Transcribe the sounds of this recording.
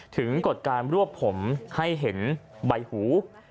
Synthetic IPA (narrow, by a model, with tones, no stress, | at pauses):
t̪ʰɯ˩˦ŋko˨˩t̪̚kaː˧nɾu˥˩əpʰo˩˦mha˥˩jɦe˩˦nba˧jhuː˩˦